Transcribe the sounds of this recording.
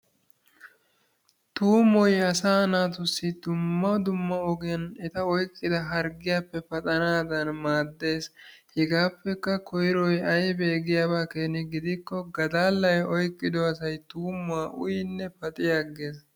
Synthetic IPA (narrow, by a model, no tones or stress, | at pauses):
t̪uːmɔjɐsaːnaːt̪ʊsːɪd̪̥ʊmːɐd̪ʊmːɐɔɡɪjɐnɛt̪ɐɔjkʼːɪd̪ɐɦɐɾɡɪjapːɛpɐt̪ʼɐnaːd̪ɐnmaːd̪ːe̞ːshɛɡaːpːɛkːɐkʰɔjɪɾɔjɐjbeːɡɪjaːbaːkeːnɪɡɪd̪ɪkːɔɡɐd̪aːlːɐjɔjkʼːɪd̪ɔɐsɐjt̪uːmʊaːʔʊ̰jɪnːɛpɐt̪ʼɪjaɡːeːs̬